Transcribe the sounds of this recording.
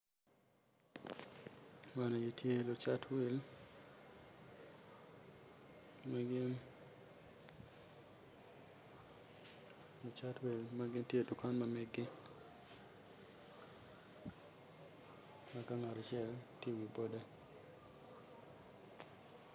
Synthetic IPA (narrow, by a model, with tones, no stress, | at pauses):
ma˨no˨je˨tje˦lo˨t͡ʃa˦twe˦l | maɡn | lo˨t͡ʃa˦twe˨lma˦ɡɪ˦ntje˦˨du˨ka˦nma˨mɛ˦ɡɪ˦ | ma˨ka˦ŋa˨ɾɔ˨t͡ʃɪɛ˦ltje˦wi˨bo˦da˦